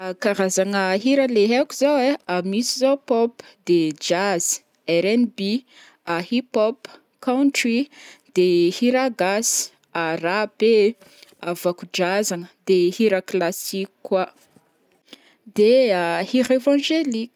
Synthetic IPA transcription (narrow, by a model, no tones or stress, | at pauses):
akaɾazaŋəɦiɾəleɦekuzaweamisizawpɔpd̪ed͡ʒaz̥i̥ | ɛɾɛnbi | ahipɔp | kawntrid̪̥ehiɾaɡasi̥ | arape | avakud͡ʒazaŋəd̪ehiɾəklasikkːwa | d̪eahiɾevãʒelik